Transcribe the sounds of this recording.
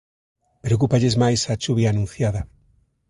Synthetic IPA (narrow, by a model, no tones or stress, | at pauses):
pɾeok̬upaʎezmajsat͡ʃuβjaːnũn̟θjaðɐ